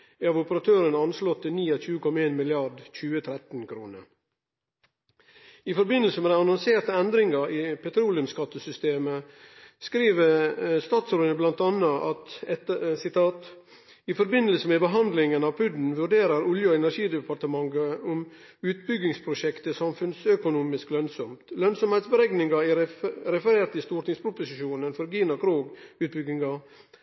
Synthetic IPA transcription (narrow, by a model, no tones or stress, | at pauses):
æɑʋʊpəɾɑt̪ʰøːɾənɑnslɔt̪ʰːɪlniːɑc͡çʉːəkʰɔmɑeːnmɪlɪɑɖc͡çʉːət̪ʰɾɛt̪n̩kʰɾṵːnə̰ɾ | ɪfɔɾbɪnːəlsəmɛd̪æɑnɔnseːɾt̪əɛnd̪ɾɪŋɑʔiːpʰɛt̪ɾuːlɪʉmskɑt̪ːəsʏst̪eːmə | skɾiːʋəst̪ɑːt̪sɾoːəblɑnt̪ɑnːəʔɑt̪ɛsɪt̪ɑːt̪ | ɪfɔɾbɪnəlsəmɛbəɦɑnd̪lɪŋənɑʋpʰʉd̪n̩ʋʉɖeːɾəɾʊljəɔɛnæɾʂiːd̪ɛpʰɑɾt̪əmɑŋɡəʊm | ʉːt̪̚bʏɡɪŋspʰɾʊʃɛkt̪əsɑmfʉnsœkʊnuːmɪsklœnsɔmt̪lœnsɔmhɛɪt̪sbəɾɛɡnɪŋɑɪɾɛfəɾeːt̪ɪst̪uːʈɪŋspʰɾʊpʊsɪʃuːnənfɔɾɡiːnɑkʰɾoːɡʉːt̪̚bʏɡɪŋɑ